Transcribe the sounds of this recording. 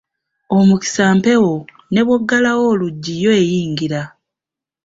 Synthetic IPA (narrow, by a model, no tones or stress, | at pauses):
o̞muki̥saːmpe̞wo̞ | ne̞βwoɡːalawo̞ːluɟːijo̞ejiːŋɡiɾa